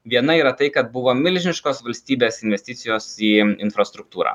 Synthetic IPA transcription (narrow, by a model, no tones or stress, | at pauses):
ʋʲiɛnɐiːɾɐt̪ɐɪkɐt̪̚bʊʋoːmʲɪlʲʒʲɪnʲɪʃkoːsʋɐlʲsʲt̪ʲiːbʲeːsɪnʲʋʲɛsʲt̪ʲɪt̪sʲɪjoːsiːɪnfɾɐst̪ɾʊk̚t̪uːɾɐ̰ː